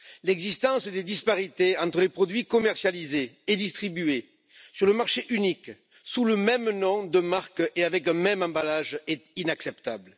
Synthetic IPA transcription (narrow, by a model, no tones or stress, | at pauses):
lɛɡzist̪ɑ̃sd̪ed̪ispaʁit̪eɑ̃t̪χəlepχɔd̪ɥikɔmɛʁsjalizeːd̪ist̪χibye | syʁləmaʁʃeʔynik | suləmɛmnɔ̃d̪əmaʁkeavɛkɛ̃mɛmɑ̃balaʒɛt̪inaksɛpt̪ablə